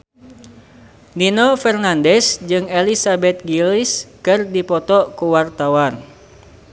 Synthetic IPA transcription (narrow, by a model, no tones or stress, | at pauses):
ninɔfɛrnandɛsd͡ʒɨŋelisabɛt̪̚ɡiliskɨrdipɔt̪ɔkuwart̪awan